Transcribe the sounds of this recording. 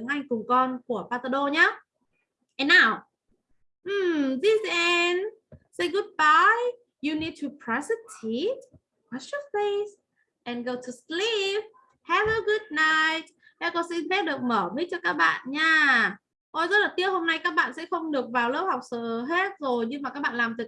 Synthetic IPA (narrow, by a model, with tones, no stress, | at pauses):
ɨ˨˦ŋʔa˧jŋ̟kʊ˨˩ŋ͡mkɔ˧nku˧˩əpaː˧t̪ə˧ɗo˧ɲaː˦ | ʔɛ˨nːaː˧˩w | ʔ̩˨˩mzi˧zɛ˧n | se˧jɡu˧d̚ba˧j | ju˨ni˧d̚tʰu˨pʰɹɔ˨˦sə˦tʰi˨˦t̚ | wa˨˦t͡ʃjə˧fe˧s | ʔɛ̃˨nɡo˧tʰu˨slip̚ | hɛ˧vəɡʊ˦d̚na˧jt̚ | ʔɛ˧˥kɔ˧sɛ˧˥nfɛ˦˥t̚ɗɨ˨˩ək̚məː˧˩mi˦˥k̚t͡ɕɔ˧kaː˦˥k̚ɓa̰ː˧˨nɲaː˧ | ʔo˧jzɔ˧˦˥t̚lə˨˩t̪i˦˥ət̚ho˧mna˧jkaː˦˥k̚ɓa̰ː˧˨nsɛ̰˧˥xə˧wŋ͡mɗɨ˨˩ək̚vaː˨˩wlə˦˥w̚ha˨˩wk͡p̚sə̰ː˧˨ɦe˦˥t̚zo˨˩jɲɨ˧maː˨˩ka˦˥k̚ɓa̰ː˧˨laː˨˩mt̪ɨ˨˩